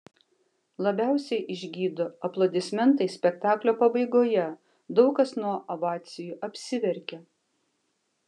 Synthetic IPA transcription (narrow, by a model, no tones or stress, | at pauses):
lˠɐbʲæˑʊsʲɛɪʔɪʒʲɡʲiːd̪oɐplˠod̪ʲɪsʲmʲɛnt̪ɐɪsʲpʲɛkt̪ɑːklʲoːpɐbɐɪɡoːjɛ | d̪ɒʊkɐsnuɔʔɐʋɑːt̪sʲɪjuːʔɐpʲsʲɪʋʲɛɾʲkʲɛ